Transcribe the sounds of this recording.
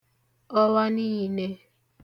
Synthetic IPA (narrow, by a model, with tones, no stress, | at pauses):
ɔ˦la˦ni˦ɦi˨ne˦